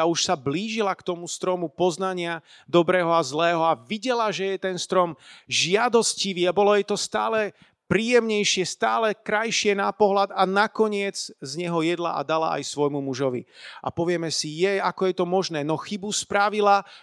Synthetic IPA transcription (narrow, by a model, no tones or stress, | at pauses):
auʃsabliːʒilakt̪ɔmust̪ɾɔmupɔznaɲɪa | d̪ɔbɾɛːɦɔazlɛːɦɔaʋiɟɛlaʒɛjɛt̪ɛnst̪ɾɔmʒɪad̪ɔsciʋiabɔlɔjɛt̪ɔst̪a̰ːlɛ | pɾiːjɛmɲɛjʃɪɛst̪aːlɛkɾajʃɪɛnapɔɦlad̪anakɔɲɪɛd͡zzɲɛɦɔjɛd̪la̰ʔa̰d̪ala̰ʔa̰jsʋɔjmumuʒɔʋḭa̰pɔʋɪɛmɛsijɛakɔjɛt̪ɔmɔʒnɛːnɔxibuspɾaʋila